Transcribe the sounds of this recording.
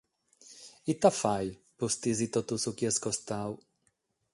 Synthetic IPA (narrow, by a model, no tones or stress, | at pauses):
it̪afaj | pust̪izit̪ɔt̪usukjɛskɔst̪aw